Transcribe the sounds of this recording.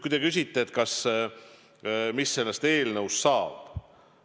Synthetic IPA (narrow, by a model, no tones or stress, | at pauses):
kujd̪e̞kys̬ʲit̪ːeet̪kɑs | misːe̞lːest̪e̞ːlnəwst̪sɑːb̥